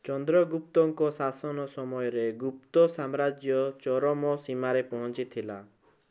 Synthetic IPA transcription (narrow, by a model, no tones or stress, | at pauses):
t͡ʃɔnd̪ɾɔɡupt̪ɔŋkɔsasɔnɔsɔmɔjɔɾeɡup̚t̪ɔsamɾad͡ʒjɔt͡ʃɔɾɔmɔsimaɾepɔɦɔ̃nt͡ʃit̪ʰila̰